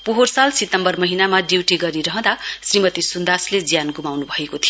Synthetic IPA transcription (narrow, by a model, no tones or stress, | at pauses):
puɦorsalsit̪ːʌmbʌrmʌɦinamaɖiwʈiɡʌɾiɾʌɦʌ̃d̪asrimʌt̪isund̪asled͡zjanɡumawnubʱʌekot̪ʰijo